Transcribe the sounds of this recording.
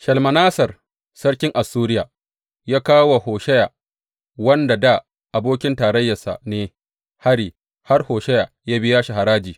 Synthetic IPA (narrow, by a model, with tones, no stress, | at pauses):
ʃɐ˨lmɐ˨naː˦sɐ˨r | sɐ˦ɽkʲɪ˦ŋʔa˨sːuː˦ɾɪ˦jaː˨ | jaː˦kaː˦wa˨hoː˨ʃɛ˦jaː˨ | wɐ˦nda˨da˦ | ʔa˨boː˦kʲɪ˦ntaː˨ɾɐ˦jːa˨sa̰˨neː˦ | ha˦ɽiː˨ | ha˦rhoː˨ʃɛ˦jaː˨jaː˦bɪ˦jaː˦ʃi˨ɦa˨ɾaː˦d͡ʒiː˨